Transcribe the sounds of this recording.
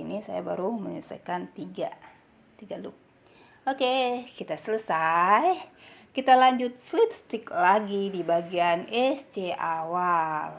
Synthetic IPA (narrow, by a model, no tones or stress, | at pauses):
inisa̰ja̰ba̰ɾuməɲəsa̰kant̪iɡa̰ | t̪iɡaduk̚ | okekit̪asələsajkit̪alaɲd͡ʒʊt̪̚slip̚st̪ɪklaɡidibaɡianɛst͡ʃeawal